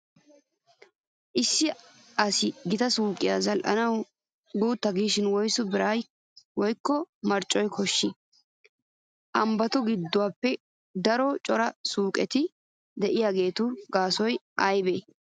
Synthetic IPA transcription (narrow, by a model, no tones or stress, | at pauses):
ʔɪsːɪ | ɐsɪɡɪt̪ɐsuːkʼːɪjaːzɐlʔɐ̰nɐw | ɡuːt̪ːɐɡiːʃɪnwɔjsʊbɪɾaːj | wɔjkːɔmɐɾt͡ʃʼːɔjkʰɔʃːɪ | ʔɐmbɐt̪ʊɡɪd̪ːʊwaːpːɛ | d̪ɐɾɔt͡ʃʼɔɾɐsuːkʼɛt̪ɪ | d̪ɛʔɪjaːɡe̞ːt̪ʊɡaːsɔjʔɐjbeː